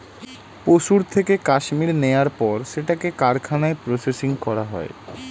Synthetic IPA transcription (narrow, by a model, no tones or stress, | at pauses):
poʃuɾt̪ʰekekaʃmiɾneaɾpɔɾʃeʈakekaɾkʰanaepɾosesiŋkɔɾaɦɔ̰e